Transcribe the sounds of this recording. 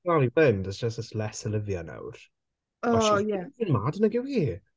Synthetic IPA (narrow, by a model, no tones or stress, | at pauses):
alˠibɪndəsd͡ʒ̥əs̬təslɛsəlɪvjana̰wr | ɔajɛɪnmadənəɡɪwi